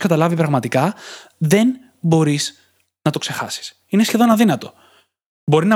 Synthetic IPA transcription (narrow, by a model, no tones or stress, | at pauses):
kɐt̪ɐlɐvipɾɐɣmɐt̪ikɐðe̞n | bo̞ɾiz | nɐt̪o̞kse̞xɐ̰si̥s | inesçe̞ðo̞nɐðinɐt̪o̞ | bo̞ɾinɐ